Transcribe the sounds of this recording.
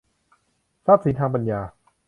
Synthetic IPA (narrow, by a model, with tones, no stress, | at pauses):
saː˥˩p̚si˨˩˦nt̪ʰaː˧ŋpa˧njaː˧